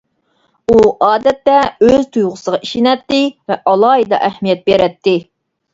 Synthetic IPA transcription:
uʔɑːd̪ɛt̪ːɛøzt̪ʰujʁʊsəʁɑʔiʃinɛt̪ːɪvɛʔɑlˠɑːɦid̪ɑ̰ʔɛhmijɛt̪̚beɾɛt̪ʰːɪ

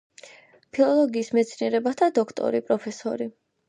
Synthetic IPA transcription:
pʰilˠɔlˠɔɡiːsmɛt̪sʰniɛɾɛbat̪ʰad̪ɔkʰt̪ʼɔ̰ɾipʼɾɔpʰɛsɔɾi

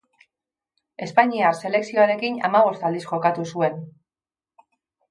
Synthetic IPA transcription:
e̞spaɲiaɾse̞le̞ksio̞aɾe̞kina̰maβ̞o̞st̪ald̪isʝo̞kat̪usue̞n

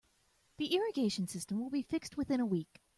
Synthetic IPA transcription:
ðiʔɪɹɨɡeɪʃɨ̃n̩sɪstə̃mwəlˠbifɪkst̚wɨθɪ̃ñəwik

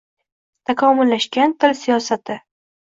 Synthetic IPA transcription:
t̪ʰakʰɒmʊlːaʃɡʲant̪ʰɪlsijɒsat̪ʰɪ

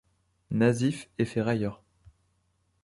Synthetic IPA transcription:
nazifefɛʁajœʁ

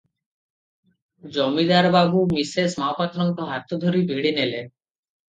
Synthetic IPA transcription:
d͡ʒɔmid̪aɾbabumisesmaopat̪ɾɔŋk̪ɔɦat̪ɔd̪ʱoɾibʱiɽinele

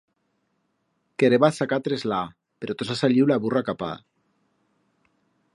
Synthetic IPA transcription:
keɾeβasakat̪ɾezla | peɾot̪osasaʎiwlaβurakapa̰

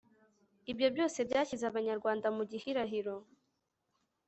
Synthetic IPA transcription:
ibjo̞bjo̞ːse̞bjaːcizaβaɲaɾɡwaːndamuɟihiɾaɦiɾo̞

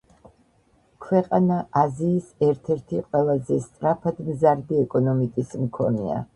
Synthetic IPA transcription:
kʰwɛqʼanaʔaziːsɛɾt̪ʰɛɾt̪ʰiqʼwɛlˠazɛst̪sʼɾapʰad̪mzaɾd̪iɛkʼɔnɔmikʼismkʰɔ̰nḭa̰

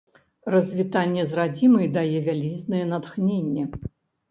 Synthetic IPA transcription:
rɐzʲvʲit̪anʲːɛzrad͡zʲimɨjd̪ajɛvʲalʲiznɨjɛnat̪xnʲenʲːɛ

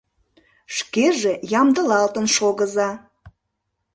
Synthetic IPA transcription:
ʃkeʒejɑmd̪əlɑlt̪ənʃoɣəzɑ

